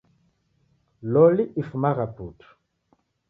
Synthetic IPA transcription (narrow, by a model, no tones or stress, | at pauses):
lɔliʔifmaʁaput